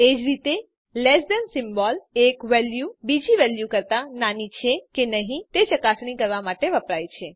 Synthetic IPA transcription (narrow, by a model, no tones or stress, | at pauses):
ed͡ʒɾit̪e | lesdɛnsɪmbɔlekʋɛljubid͡ʒiʋɛljukəɾt̪ananit͡ʃʰekenəɦĩt̪et͡ʃəkasɳ̃ikəɾʋamaʈeʋəpɾajt͡ʃʰe